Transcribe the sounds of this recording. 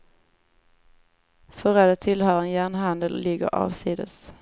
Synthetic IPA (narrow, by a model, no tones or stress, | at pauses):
fœɾɛd̪ət̪ʰɪlhœːɾənjæːɳɦand̪əlːɪɡːə̰ɾɑ̰ːvsiːd̪ə̰s